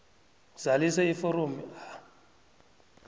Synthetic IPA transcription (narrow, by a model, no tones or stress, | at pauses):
z̥alisɛifɔɾomia